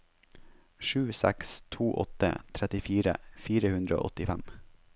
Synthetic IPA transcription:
ʃʉːsæ̰kst̪ʰuːʔɔ̰t̪ə̰t̪ʰɾɛt̪ɪfiːɾə̰fiːɾəhʉnd̪ɾəo̰ːʔɔt̪ɪfæm

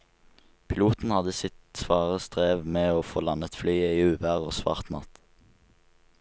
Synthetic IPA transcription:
pʰɪluːt̪n̩hɑd̪əsɪt̪sʋɑːʁəst̪ʁeːʋmeːoːfoːlɑnət̪flyːəiːʉːʋæʁo̰ːsʋɑ̰ːʁt̪nɑ̰t̪

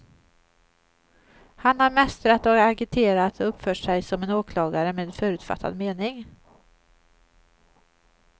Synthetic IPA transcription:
hanhaɾmɛst̪ɾat̪ɔaɡɪt̪ʰeːɾat̪ɔɵpːfœːʈʂɛjsɔmɛnoːkʰlɑːɡaɾəmeːd̪ɛfœːɾʉ̟ːt̪fa̰t̪ʰːa̰d̪meːnɪŋ

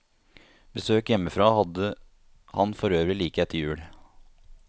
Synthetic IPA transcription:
bəsøːkjɛmːəfɾɑːhɑd̪ə | hɑ̰nfɔɾøːʋɾɪliːkəɛt̪ʰːəɾjʉːɽ

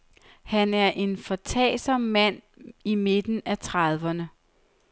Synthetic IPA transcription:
hænæɐʔe̝nfɒ̽t͡sʰɛ̰ːsɒmːæn̰ | ime̝d̥n̩æt͡sʰʁɑðˠʋɐnə

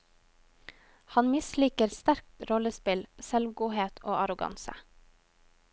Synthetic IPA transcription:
hɑnmɪsliːkəɾst̪æɾk̚t̪ɾɔləspɪlsɛlʋɡuːheːt̪ʰoːɑɾʊɡɑ̰nsə̰

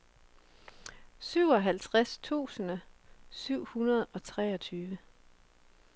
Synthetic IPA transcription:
syʊ̰ɒ̽ɦælt͡sʰʁast͡sʰṵːsənəsyʊ̰hunɐð̞ˠɒ̽t͡sʰʁɛːɒt͡sʰyːʋə

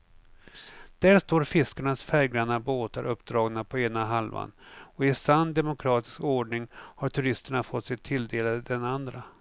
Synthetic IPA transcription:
d̪̥æːɾʂt̪oːɾfɪskaɳasfɛɾɡɾand̪aboːt̪aɾʔɵpːd̪ɾɑːɡnapʰɔeːnaɦalva̰nɔɪsanːd̪ɛmʊkʰɾɑːt̪ɪ̥skoːɖɳɪŋhaʈʰɵɾɪst̪əɳafɔt̪ːsɛt̪ʰːɪld̪eːlad̪ɛnand̪ɾa

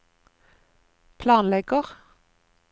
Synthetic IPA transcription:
pʰlɑːnlɛɡəʁ

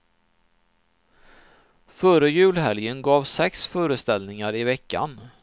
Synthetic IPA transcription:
fœɾəjʉ̟ːlɦɛljənɡɑːvsɛksfœːɾəst̪ɛlnɪŋaɾɪvɛkːa̰n

